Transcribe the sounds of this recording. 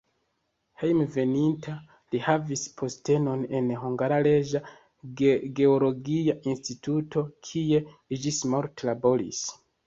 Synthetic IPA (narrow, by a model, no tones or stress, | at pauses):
hejmve̞nintʰa | lihavispʰo̞ste̞no̞ne̞nɦuŋɡaɾale̞d͡ʒa | eɡe̞olo̞ɡiaʔinstitutʰo̞kʰie̞ | id͡ʒismoɾtlabo̞ɾḭs